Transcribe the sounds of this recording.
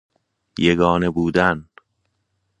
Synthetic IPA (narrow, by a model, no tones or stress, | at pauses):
jeɡɒːnebuːd̪æn